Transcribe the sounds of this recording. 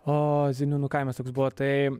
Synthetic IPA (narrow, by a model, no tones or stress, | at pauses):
oːzʲɪnʲuːnʊkɐɪmʲɛst̪oːksbʊʋɐt̪ɐɪ